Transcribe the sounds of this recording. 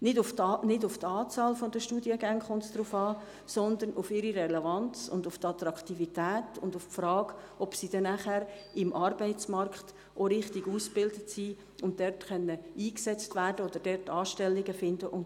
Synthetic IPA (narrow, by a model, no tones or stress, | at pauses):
nɪdʊfnɪdʊft̪ɑːt͡sɑːlfod̪əʃtuːdiəɡæŋχʊntsd̥̪ɾuːfɑː | sɔnd̪ənʔʊfɪɾiɾɛlɛvɑnt͡sʊ̰ndʊft̪ɑt̪ɾɑktivitæːtʊndʊffɾɑːɡ̥ | ɔpsid̥ɛnæχæɾɪmʔɑɾbɛɪtt͡smɑɾkχt | ʔoɾɪχtiɡuːsb̥ɪldətsiː | ʊnt̚d̥ɛrtχœnːəiːksɛt͡stvæːɾd̥əɔd̥əɾd̥ɛɾtːɑːʃtɛlːɪɡəfɪndəʔʊn